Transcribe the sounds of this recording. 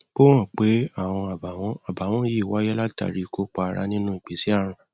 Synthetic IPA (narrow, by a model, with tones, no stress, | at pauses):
o˦w̃ɔ̃˦˨k͡pe˨˦a˦˨w̃ɔ̃˧a˨ba˨w̃ɔ̃˨˦a˨ba˨˦w̃ɔ̃˦ji˦˨wa˨˦jɛ˦la˦ta̰˧˨ɾi˧ko˦k͡pa˧˨ɾa̰˧nĩ˦nũ˦i˨ɡ͡be˨˦si˦a˦˨ɾ̃ã˧